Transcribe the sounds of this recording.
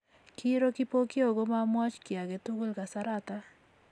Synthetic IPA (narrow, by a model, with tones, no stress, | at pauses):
ki˦ɾo˦ki˦po˦kɪ˦o˨ɡo˦ma˦mwa˦t͡ʃkja˨ɡe˨tu˦ɡo˦lka˨saɾat̪a